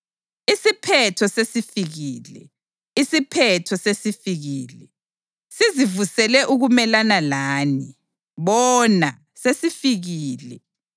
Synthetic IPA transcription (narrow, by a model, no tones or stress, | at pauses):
isipʰɛtʰɔsesifiɣiːlɛ̰ | isipʰɛtʰɔsesifiɣiːlɛ | sizivusɛlɛʔuɣumɛlanalaːni | βɔna | sesifiɣiːlɛ